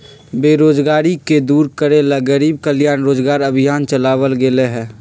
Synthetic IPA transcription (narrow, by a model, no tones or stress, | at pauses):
beːɾoːd͡ʒɡaːɾiked̪uːɾkəɾelaɡəɾiːb̚kəlɪjaːnɾoːd͡ʒɡaːɾəbʱijaːnt͡ʃəlaːʋəlɡeleɦɛ̃ː